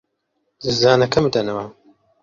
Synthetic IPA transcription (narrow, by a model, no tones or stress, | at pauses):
zɨzaːnɐkʰɐmɨd̪ɐnɐwa